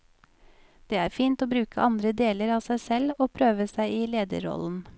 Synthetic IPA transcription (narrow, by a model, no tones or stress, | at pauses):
d̪̥eːæːɾfiːnt̪oːbɾʉːkəʔɑnd̪ɾəd̪eːləɾɑːsæɪsɛloːpʰɾøːʋəsæɪiːleːd̪ə̰ɾɔ̰ln̩